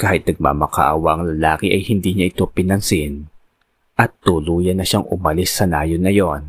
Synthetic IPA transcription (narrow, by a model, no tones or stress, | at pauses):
kaːhɪt̪̚nɐɡ̚ma̰mɐka̰ʔa̰wɐʔɐŋlɐlaːkɪʔɐjhɪnd̪iːɲaʔɪt̪o̞pɪnɐnsɪn | ʔɐt̪ːuluːjɐnːɐʃaŋʔʊ̰mɐlɪsːɐnaːjonːɐjo̞n